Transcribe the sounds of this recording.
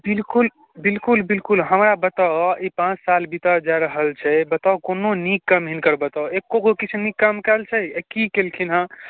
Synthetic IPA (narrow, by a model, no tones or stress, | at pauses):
bilkul | bilkulbilkulɦəmɾabət̪aipãt͡ʃsalbit̪əd͡ʒaɾəɦəlt͡ʃʰɛbət̪akononikːəmɦinkəɾbət̪aekːoɡokit͡ʃʰnikːəmkəlt͡ʃʰɛekikelkʰinɦã